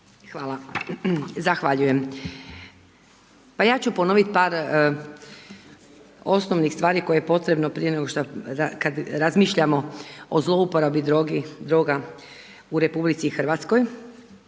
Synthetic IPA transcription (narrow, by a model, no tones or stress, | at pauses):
xʋaːlˠa | zaxʋaʎuje̞m | pajaːt͡ɕupo̞no̞ʋit̪paːɾ | o̞snoʋnixst̪ʋaːɾiko̞jejepo̞t̪ɾe̞bnopɾije̞neɡoʃt̪oakad̪ɾazmiːʃʎamo̞ozlˠo̞upoɾabioɡid̪ɾoːɡa | uɾe̞publit̪sixrʋat̪sko̞j